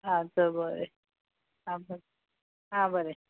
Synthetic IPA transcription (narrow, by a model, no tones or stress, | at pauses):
ɦãt͡səbəɾe | ɦãbəɾe | ɦãbəɾe